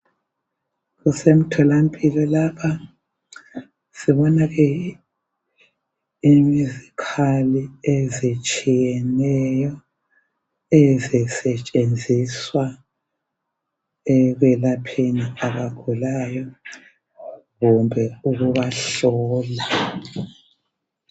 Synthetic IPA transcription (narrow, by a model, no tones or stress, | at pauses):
ɣusem̩tʰɔlampʼilɔlapʰa | siβɔnaɣɛ | imizikʰaliɛzet͡ʃʼijɛnɛjɔ | ɛzɛsɛt͡ʃʼend͡zʱiswa | ɛɣwɛlapʰeniaβaɡ̥ʱulajɔ | ɣumbʱɛuɣuβaɬɔːla